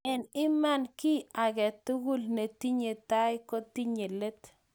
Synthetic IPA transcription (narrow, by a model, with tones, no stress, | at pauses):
ɛ˨nɪ˦ma˦˨nkɪ˦a˨ɡɛ˨t̪ʊ˦ɡʊ˦lne˨ti˦ɲe˨ta˦jkɔ˦ti˦ɲe˨le˦t̪